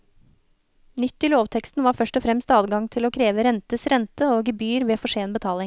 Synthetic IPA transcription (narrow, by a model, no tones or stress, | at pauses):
nʏt̪ːɪloːʋt̪ʰɛkst̪n̩ʋɑːɾfœʂʈɔfɾɛmst̪ɑːd̪ɡɑŋt̪ʰɪloːkʰɾeːʋəɾɛnt̪əsɾɛnt̪əoːɡəbyːɾʋeːfɔʂeːnbət̪ʰɑːlɪŋ